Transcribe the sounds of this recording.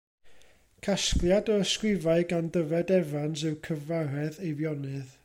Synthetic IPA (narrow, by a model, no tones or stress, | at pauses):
kʰasklˠjadɔəskwɪvaɨɡandəvɛdɛvanzɨwkʰəvaɾɛðejvjɔnɨð